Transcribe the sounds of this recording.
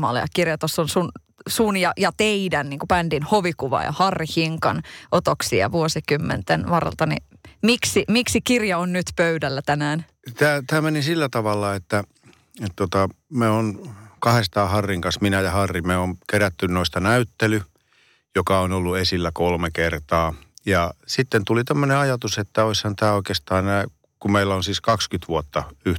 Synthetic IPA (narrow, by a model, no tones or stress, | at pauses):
mɑ̰ːlḛɑ̰kirjɑt̪osːonsun | suːnjɑjɑt̪eidænniːŋkupændinhoʋikuʋɑ̰jɑ̰hɑrːihiŋkɑ̰nʔot̪oksiɑ̰ʋuosikymːḛnt̪enʋɑrːḛlt̪ɑnḭ | miksimiksikirjɑonnyt̪pøydælːæt̪ænæːn | t̪æːt̪æːmenisilːæt̪ɑʋɑlːɑet̪ːæ | et̪t̪ot̪ɑmeonkɑhest̪ɑːhɑrːiŋkɑnsminæjɑhɑrːimeonkeɾæt̪ːynnoist̪ɑnæyt̪ːely | jokɑonolːuesilːækolmekert̪ɑːjɑsit̪ːent̪ulit̪æmːøneɑjɑt̪uset̪ːæoishɑnt̪æːoikeːst̪ɑːenæː | kumeilːæonsiːskɑkskyt̪ʋuot̪ːɑyh